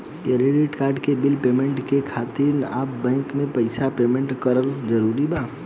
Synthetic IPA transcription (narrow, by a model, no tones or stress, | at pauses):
keɾeɖiʈkaːɾɖkebɪlpeːmẽɳʈkekʰaːt̪iɾnaːpbɛ̃ːŋkmẽpəɪsapeːmẽɳʈkəɾəld͡ʒəɾuːɾibaː